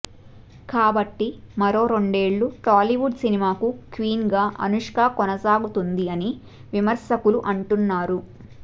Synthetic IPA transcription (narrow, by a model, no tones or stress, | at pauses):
kaːbɐʈːi | mɐɾo̞ːɾo̞ɳɖe̞ːɭːuʈaːliʋuɖsinimaːkukʋiːnɡaːʔɐ̰nuʂkaːkɔnɐsaːɡut̪und̪iɐni | ʋimɐɾʃɐkuluʔɐɳʈunːaːɾu